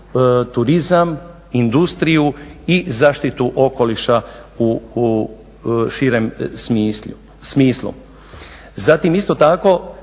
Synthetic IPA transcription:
t̪uɾizam | ind̪ust̪ɾijuizaːʃt̪it̪uʔo̞ko̞liʃau | ʃiɾemmi | smiːslṵ | zat̪imist̪o̞t̪ako̞

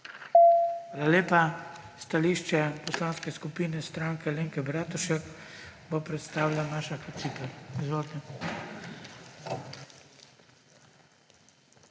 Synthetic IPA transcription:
ʋaːlaleːpa | st̪aliːʃt͡ʃɛpɔslaːnskɛskupiːnɛst̪ɾaːŋkɛleːŋkɛbɾat̪uʃɛkbopɾɛt̪st̪aːwlʲamaːʃakɔt̪sipɛlizʋoːd̪nɛ

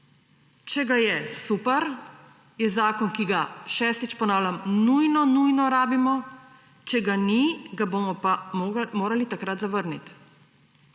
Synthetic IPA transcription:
t͡ʃɛɡajɛsupɛɾ | jɛzaːkɔnkiɡaʃɛːst̪it͡ʃpɔnaːwlʲamnujnɔnujnɔɾaːbimɔ | t͡ʃɛɡaniɡabomɔpamoːɾalit̪akɾat̪zaʋəɾnit̪

